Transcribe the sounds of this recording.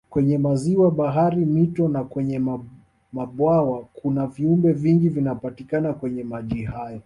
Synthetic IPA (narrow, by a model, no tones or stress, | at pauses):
kwɛɲɛmaziwaɓaɦaɾimitɔnakwɛɲɛm | maɓwawakʰunaviumbɛviŋɡivinapatikanakwɛɲɛmaʄihajɔ